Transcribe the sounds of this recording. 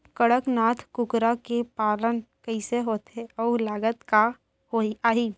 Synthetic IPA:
kəɽəknaːt̪ʰkʊkɾakepaːlənkəɪseɦoːt̪eɔːlaːɡət̪ka | hoiaːɦiː

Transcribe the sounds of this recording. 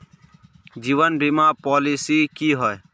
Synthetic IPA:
d͡ʒiːʋənbʱimaːpɔːlisiːkiːɦɔe

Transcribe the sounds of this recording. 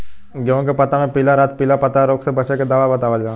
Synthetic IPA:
ɡɐõkepɐt̪amẽpilaɾaːt̪̚piːlapɐt̪aɾoːksebɐt͡ʃeked̪aːʋabɐt̪aːʋəld͡ʒaː

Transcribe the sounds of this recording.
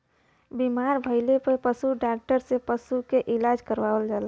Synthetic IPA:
bimaɾbʱəɪlepəɾpəsuɖak̚ʈəɾsepəsukeʔɪlad͡ʒkəɾʋaəld͡ʒala

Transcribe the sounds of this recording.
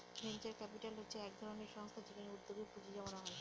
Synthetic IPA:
bʱent͡ɕaɾkɛpiʈalɦotːɕʰeɛk̚d̪ʱɔɾoneɾʃɔŋst̪ʰad͡ʑekʰaneuɾd̪obipud͡ʑid͡ʑamonaɦɔe

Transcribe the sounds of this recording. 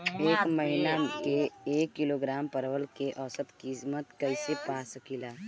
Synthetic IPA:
eːkmɐɦɪnakeeːkːɪloɡɾaːmpɐɾʋəlkeʔɔsət̪kismət̪kɐisepaːsəkʰilaː

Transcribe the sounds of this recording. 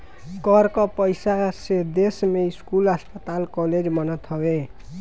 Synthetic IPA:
kʌɾkʌpʌjsased̪esmeiskulʌspʌt̪alkɔled͡zmʌnʌt̪ʰʌwe

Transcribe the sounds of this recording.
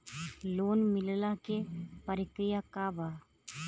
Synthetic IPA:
loːnmɪllakepəɾɪkɾɪjakabaː

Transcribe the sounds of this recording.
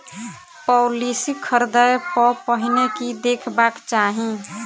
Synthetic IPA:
pɔlisikʰəɾd̪əjpəpəɦinekid̪ekʰbakt͡ʃaɦĩ

